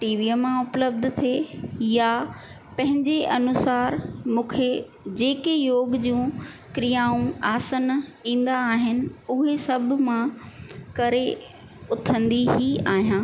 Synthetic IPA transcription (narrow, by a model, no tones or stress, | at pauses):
ʈiːʋiːəmãʊpləb̚d̪ʱt̪ʰeja | pɐ̃ɦɪ̃ɲd͡ʑeʔɐnʊsaːɾmũːkʰe | d͡ʑeːkejoːɡd͡ʑũːkɾijaːũaːsənĩːn̆d̪aːɦɪnɪ̆ʊɦesɐb̆ʱmãkɐɾe | ʊt̪ʰə̃nd̪iɦiaːɦijãː